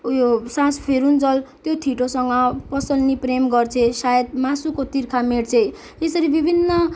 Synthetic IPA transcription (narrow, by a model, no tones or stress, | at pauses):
josãspʰeɾund͡zʌlt̪jot̪ʰiʈosʌŋɡʌpʌsʌlnipremɡʌrt͡sʰesajed̪̚masukot̪irkʰameɽt͡sʰe | esʌɾibibʱinːʌ